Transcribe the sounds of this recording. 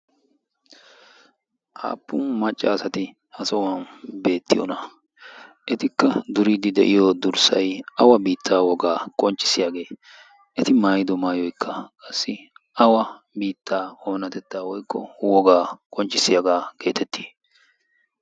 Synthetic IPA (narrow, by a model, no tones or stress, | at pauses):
ʔa̰ːpːʊmːɐt͡ʃʼːaːsɐt̪ɪ | hɐsɔwɐnbe̞ːt̪ːɪjɔ̰nɐ | ʔɛt̪ɪkːɐd̪ʊɾid̪ɪd̪ɛʔɪjɔd̪ʊɾsɐjʔɐwɐbiːt̪ʰːaːwɔɡaːkʼɔnt͡ʃʼːɪ̥sɪjaːɡe̞ː | ʔɛt̪ɪmaːjɪd̪ɔmaːjɔjkʰːɐkʼɐsːɪʔɐwɐ | biːt̪ːaːoːnɐt̪ɛt̪ːaːwɔjkːɔ̰wɔɡaːkʼɔnt͡ʃʼːɪsɪjaɡaːke̞ːt̪ʰɛt̪ːi̥ː